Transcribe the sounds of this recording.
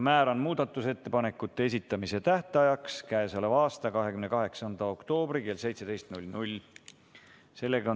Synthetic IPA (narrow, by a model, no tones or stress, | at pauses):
mæːɾɑnmuːd̪̥ɑt̪ːˑuse̞t̪ːe̞pɑne̞kːut̪ːe̞es̬ʲit̪ːˑɑmise̞t̪æht̪ɑjɑkskæesɑlevɑːst̪ɑkɑɦe̞kymne̞kɑɦe̞ksɑnd̪̥ɑo̞kt̪o̞ːb̥rike̞lse̞jt̪se̞d̪e̞jst̪nulʲnulʲ | se̞lːe̞ɡɑo